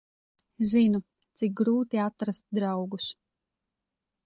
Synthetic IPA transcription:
zinu | t̪sik̚ɡɾuːt̪iat̪ɾast̪̚d̪ɾawɡus

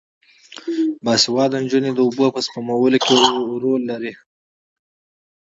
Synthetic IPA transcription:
bɑsiwɑd̪ənd͡ʒuned̪əubəpəspamawəlokeɾolːaɾi

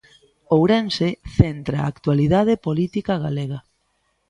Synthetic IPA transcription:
owɾenseθent̪ɾaaːkt̪waliðað̞epolit̪ikɐɣaleɣɐ

